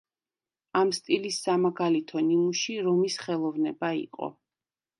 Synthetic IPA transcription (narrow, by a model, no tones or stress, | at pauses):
amst̪ʼilisːamaɡalit̪ʰɔnimuʃiɾɔmisχɛlˠɔvnɛbaḭqʼɔ̰